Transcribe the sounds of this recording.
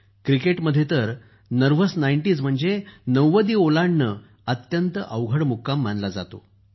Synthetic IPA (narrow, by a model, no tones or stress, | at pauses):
kɾikeʈməd̪ʱjet̪əɾ | nəɾʋəsnajɳʈiːd͡zm̤əɳd͡zenəwʋəd̪iːolaɳːə | ət̪jənt̪əʔəʋɡʱəɽmukːamːanlad͡za̰t̪o̰